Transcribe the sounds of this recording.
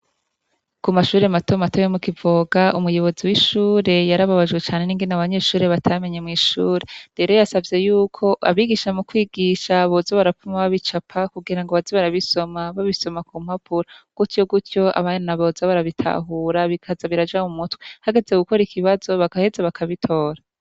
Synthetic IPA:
kumaʃuːɾe̞matomatojomukivoɡaumujo̞βo̞ziwiʃuːɾe̞jaɾaβaβaʒɡwe̞t͡ʃaːne̞niːŋɡenaβaɲe̞ːʃuːɾe̞βatʰame̞ɲemŋiːʃuːɾe̞ɾe̞ɾo̞jasavje̞juːkʰo̞ʔa̰βiɡiʃamukwiːɡiʃaβozaβaɾafumaβaβit͡ʃapʰakuɡiɾaŋɡoβaziβaɾaβiso̞maβaβiso̞makuːm̥hapʰuɾaɡ̥utjo̞ɡutjo̞ʔa̰βaɲnaβozaβaɾaβitʰa̰ɦuɾaβikʰazaβiɾad͡ʒaumutwihaɡe̞zeɡuko̞ɾikʰiβazo̞βakahe̞zaβakʰaβitʰo̞ːɾa

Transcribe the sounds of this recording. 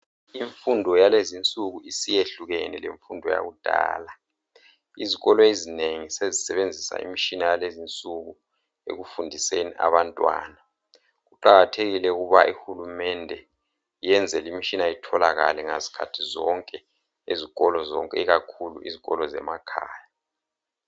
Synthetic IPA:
iɱfundʱɔjalezint͡sʼuɣuisijeɬuɣɛnileɱfundʱɔja̰ɣud̥ʱa̰ːla | iziɣɔlɔezineŋisezisɛβend͡zʱisa̰ḭmit͡ʃinajalezint͡sʼuɣu | ḛɣufundʱisenḭʔa̰βantʼwa̰ːna | ɣuǃaɣatʰeɣilɛuɣuβa̰ʔihulumɛndʱɛ | ijɛnd͡zʱɛlimit͡ʃʼinaitʰɔlaɣa̰lɛŋa̰zi̥kʰa̰tʰizɔŋkʼɛ | eziɣɔlɔzɔ̰ŋkʼɛiɣakʰulṵʔḭziɣɔlɔzɛ̰makʰa̰ːja

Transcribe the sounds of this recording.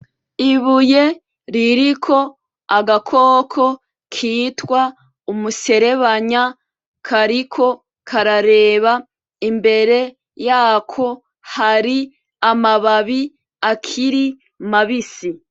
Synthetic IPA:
iβuje̞ | ɾiɾikʰo̞ | aɡakʰoːkʰo̞ | kʰiːtwa | umuse̞ɾe̞βaɲa | kʰaɾikʰo̞ | kʰaɾaɾe̞ːβa | imbe̞ɾe̞ | jaːkʰo̞ | haɾi | amaβaβi | akʰiɾi | maβisi

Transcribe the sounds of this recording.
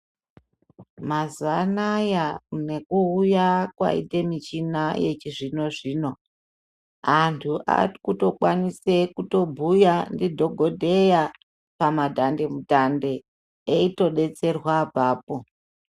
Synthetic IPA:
mazuanajane̞kuujakwa̰ḭde̞mit͡ʃinajet͡ʃiʐino̞ʐiːno̞ | antʰuʔa̰kuto̞kwanise̞kuto̞bʱujandidʱo̞ɡʱo̞dʱe̞ja | pamadʱande̞mudʱande̞ː | ito̞ɗe̞t͡se̞rwabaːpo

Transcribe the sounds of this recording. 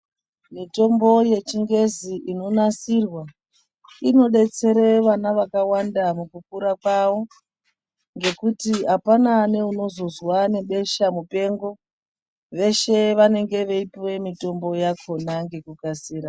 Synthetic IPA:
mito̞mbo̞je̞t͡ʃiŋɡe̞ziʔino̞nasirwa | ino̞ɗe̞t͡se̞ɾeʋanaʋakawandamukukuɾakwawo̞ | ŋɡe̞kutiapanane̞uno̞zo̞zwane̞ɓe̞ʃamupe̞ŋɡo̞ | ʋe̞ʃe̞ʋane̞ŋɡe̞ʋeipiwe̞mito̞mbo̞jakʰo̞naŋɡe̞kukasiːɾa

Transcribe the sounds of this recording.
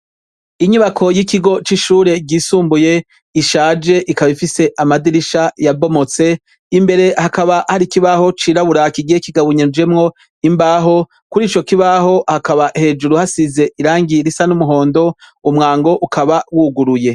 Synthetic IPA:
iɲuβakʰo̞jikiɡo̞t͡ʃiʃuːɾe̞ɟiːsuːmbuje̞ | iʃaːd͡ʒe̞ʔikaβifise̞ʔamadiɾiʃajabo̞mot͡se̞ | imbe̞ɾe̞hakaβahaɾikiβaɦo̞t͡ʃiːɾaβuɾakiɡiekiɡaβuɲed͡ʒe̞mŋo̞ | imbaːɦo̞ | kuɾiːt͡ʃo̞kiβaɦo̞hakaβahe̞ːd͡ʒuɾuhasize̞ʔiɾaːŋɡiɾisanumuɦo̞ːndo̞ | umŋaːŋɡo̞ʔukʰaβawuːɡuɾuje̞

